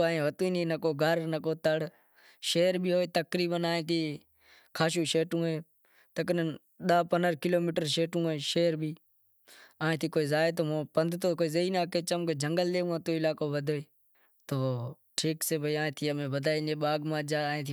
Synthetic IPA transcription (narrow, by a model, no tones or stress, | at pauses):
aːẽːʋət̪uːiːnĩːnəkoːɡʱəɾnəkoːt̪əɽ | ʃeːɾbiːɦoːeːt̪əkɾiːɓənaːẽːt̪iː | kʰaːʃ̬uːʃeːʈũːɦoeː | t̪əknən | ɗaːpənəɾkɪloːmiːʈəɾʃeːʈũːoeːʃeːɾbiː | aːẽːt̪ʰiːkoːiːzaːeːt̪oːmõːpənd̪ʱt̪oːkoːiːzeiːnaːkeːt͡ʃəmkːd͡ʒʱəŋɡəlɗ̪eːũːət̪oːɪlaːkoːʋəd̪ʱoːeː | t̪oː | ʈʰiːkseːbʱəiːaːẽːt̪ʰiːəmẽːʋəd̪ʱaːineːɓaːɡmãːd͡ʒaːẽːt̪ʰi